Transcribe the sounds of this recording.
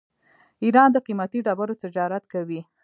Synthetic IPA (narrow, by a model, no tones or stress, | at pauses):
iɾɑnd̪əqimat̪iɖabaɾot̪ɪd͡ʒɑɾat̪kawi